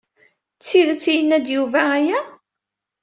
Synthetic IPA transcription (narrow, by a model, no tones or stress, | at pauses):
t͡sːiðət͡sːijənːæd̪juvææjæ